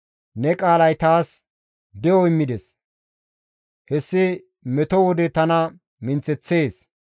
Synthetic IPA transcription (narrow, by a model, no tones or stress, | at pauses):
nɛkʼaːlɐjt̪aːs | d̪ɛɔɪmːɪd̪ɛs | hɛsːɪ | mɛt̪ɔwɔd̪ɛt̪ɐnɐ | mɪnt͡sːɛt͡sːe̞ːs